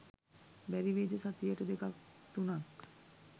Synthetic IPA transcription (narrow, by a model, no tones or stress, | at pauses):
bæɾiʋeːd͡ʒəsat̪ijəʈəd̪ekakt̪unak